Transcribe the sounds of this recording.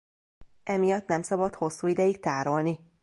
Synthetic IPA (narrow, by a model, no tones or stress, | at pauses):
ɛmijɒt̪nɛmsɒbɒt̪ho̞sːuːid̪ɛjikt̪aːɾo̞lni